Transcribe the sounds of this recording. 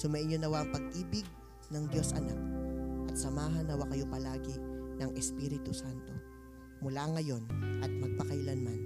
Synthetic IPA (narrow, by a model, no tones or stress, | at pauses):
sʊmɐʔɪnjonɐwaʔɐŋpɐɡ̚ʔiːbɪɡ̚ | nɐŋd̪jo̞sʔɐ̰nak̚ʔɐt̪̚sɐmaːɦɐnːɐwakɐjo̞pɐlaːɡɪnɐŋʔɛspiːɾɪt̪ʊsant̪o̞ | mʊlaŋɐjo̞nʔɐt̪̚mɐɡ̚pɐkɐjlanman